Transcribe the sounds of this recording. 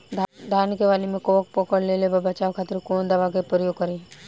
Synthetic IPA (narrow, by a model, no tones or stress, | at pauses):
d̪ʱd̪ʱaːnkeʋaːlimẽkoːk̚pɔːkəɽleːlebɐbɐt͡ʃaːʋkʰaːt̪ɪɾkoːnd̪ɐʋakepɾəjoːɡ̚kɐɾẽ